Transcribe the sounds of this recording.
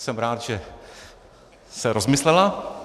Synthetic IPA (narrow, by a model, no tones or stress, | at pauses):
sɛmɾaːt̪ʒ̥ɛ | sɛɾozmɪslɛla